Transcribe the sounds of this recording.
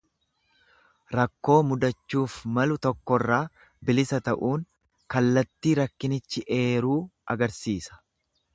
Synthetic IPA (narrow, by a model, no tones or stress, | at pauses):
ɾɐkːo̞ːmʊd̪ɐt͡ʃːuːfmɐlʊt̪ɔkːɔrːaː | bɪlɪsɐt̪ɐʔuːŋ | kɐlːɐt̪ːiːɾɐkːɪnɪt͡ʃːɪʔe̞ːɾuːʔɐɡɐɾsiːsɐ̥